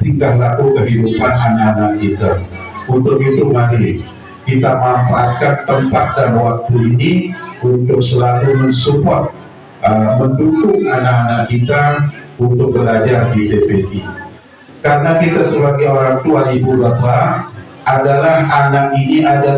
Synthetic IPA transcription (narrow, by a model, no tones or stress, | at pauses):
t̪iŋɡahlakukəɦidupananakanak̚kit̪aunt̪ʊkit̪umanɪ | kit̪aʔməamfaat̪̚kant̪əmpat̪̚danwak̚t̪uiniunt̪ʊk̚səlalumənsupɔrt̪̚ | əməndukʊŋanakanakkit̪a | unt̪ʊk̚bəlad͡ʒardidepeʔi | kaɾənakit̪asəbaɡajoɾaŋt̪uaʔibubapa | adalahanakiniʔada